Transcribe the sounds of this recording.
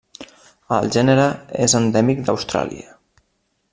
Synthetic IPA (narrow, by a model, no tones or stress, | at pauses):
ə̰lˠʒɛnəɾəḛzənd̪ɛmik̚d̪əwst̪ɾa̰lḭə